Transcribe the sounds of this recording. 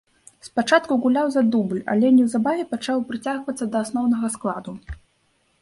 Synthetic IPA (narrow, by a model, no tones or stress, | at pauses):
spat͡ʂat̪̚kuɣulʲawzad̪ublʲa̰lʲɛnʲɛwzabavʲɛpat͡ʂawpɾɨt͡sʲaɣvɐt̪sːɐd̪ɐːsnɔwnɐɣɐsklˠad̪u